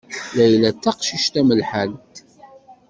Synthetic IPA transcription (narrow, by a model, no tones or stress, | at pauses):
læjlæt͡s̪ːæqʃiʃt̪æməlħalt̪